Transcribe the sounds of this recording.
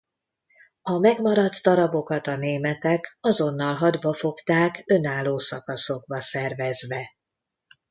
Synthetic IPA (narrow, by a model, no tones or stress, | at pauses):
ɒmɛɡmɒɾɒd̪ːɒɾɒbo̞kɒt̪ɒneːmɛt̪ɛkɒzo̞nːɒlɦɒd̪bɒfo̞kt̪aːkø̞naːlːoːsɒkɒso̞ɡ̚bɒsɛrvɛzʋɛ